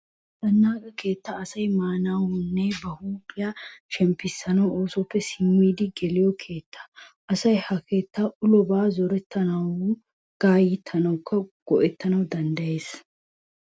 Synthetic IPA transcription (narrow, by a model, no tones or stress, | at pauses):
d̪̥ɐnːaːkʼɐke̞ːt̪ːɐːsɐjmaːnawhʊnːebɐhuːpɪjɐʃɛmpːɪsːɐnɐwo̞ːsɔpːɛsɪmːiːd̪ɪɡɛlɪjɔkʰe̞ːt̪ːɐ̥ʔɐsɐjhɐkʰe̞ːt̪ːaʔʊlɔbaːzɔɾɛt̪ʰːɐnɐw | ɡ̥aːjɪt̪ʰːɐnɐwkːɐɡ̥ɔʔɛt̪ːɐnɐwd̪ɐnd̪ɐje̞ːs